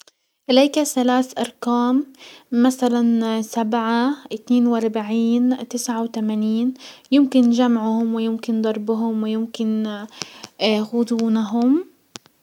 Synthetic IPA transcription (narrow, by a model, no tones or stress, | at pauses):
ʔɪlajkaθalaːθʔɑɾˤkaːmːaθalansabʕaʔɪt̪neːnwʔɑɾˤbaʕiːnt̪ɪsʕawt̪amaniːnjɪmkɪnʒamʕʊhʊmwɪjɪmkɪnd̪ˤɑɾˤbʊɦʊmwɪjɪmkɪn | xʊd̪ˤuːnaɦʊm